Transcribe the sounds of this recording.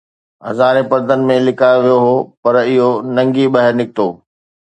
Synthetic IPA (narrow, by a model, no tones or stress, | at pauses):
ɦɐzaːɾepɐɾd̪ʱənɪ̆mẽlɪkʰaːoʋijoɦoːpɐɾɪɦonɐ̃ŋɡiɓɐɦɪɾnɪk̚t̪oː